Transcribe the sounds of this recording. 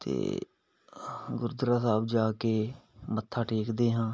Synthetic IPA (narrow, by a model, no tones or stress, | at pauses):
t̪ḛː | ɡʊɾd̪ɾaːsaːbd͡ʒaːkeːmət̪ʰːaːʈʰeːkd̪eːɦãː